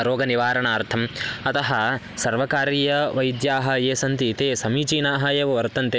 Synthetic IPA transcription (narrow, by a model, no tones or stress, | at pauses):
ɾoːɡɐniʋaːɾɐɳaːɾt̪ʰɐmɐt̪ɐɦɐ | sɐɾʋɐkaːɾiːjɐʋɐjd̪jaːɦɐ̆jeːsɐnt̪it̪eːsɐmiːt͡ʃiːnaːɦɐjeːʋɐʋɐɾt̪ɐnt̪e